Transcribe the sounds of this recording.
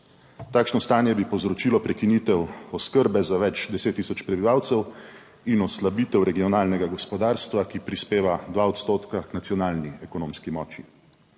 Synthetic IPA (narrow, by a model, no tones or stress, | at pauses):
t̪aːkʃnɔst̪aːnjɛbipɔwzɾɔt͡ʃiːlɔpɾɛkinit̪ɛwɔskəɾbɛzaʋɛt͡ʃd̪ɛseːt̪ːisɔt͡ʃpɾɛbiʋawt̪sɛw | inɔslabiːt̪ɛwɾɛɡijɔnaːlnɛɡaɡɔspɔd̪aːɾst̪ʋakipɾispeːʋad̪ʋaɔt̪st̪oːt̪kaknat̪sijɔnaːlniɛkɔnõːmskimɔːt͡ʃi